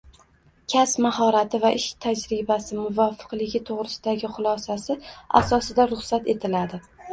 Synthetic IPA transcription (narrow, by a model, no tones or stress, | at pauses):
kʲʰasmahɒɾat̪ʰɪvaʔɪʃt̪ʰad͡ʒɾɪbasɪmʊvɒfɨ̥qlˠɪɡʲɪt̪ʰoʁɾɪsɪd̪aɡʲɪχʊlˠɒsasɪa̰sɒsɪd̪aɾʊχsat̪e̞t̪ʰɪlad̪ɪ